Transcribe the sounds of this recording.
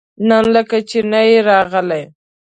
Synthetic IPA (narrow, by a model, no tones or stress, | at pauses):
nanləkat͡ʃenajeɾɑɣəlaj